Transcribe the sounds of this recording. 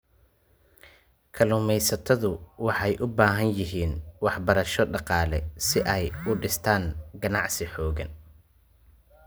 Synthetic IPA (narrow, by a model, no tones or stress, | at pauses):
kʰɐlʊːmɛjsɐt̪ʰɔðʊwɑħɑjʔʊbaːɦɐnjɪɦiːnwɑħbɐɾɐʃɔɖɑqɑːlɛsɪʔɛjʊɖɪst̪ʰaːŋɡɐnɑʕsɪħɔːɣɐ̰n